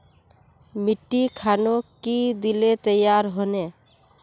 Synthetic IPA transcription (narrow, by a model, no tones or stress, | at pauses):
miʈːikʰanokid̪ilet̪əjaɾɦone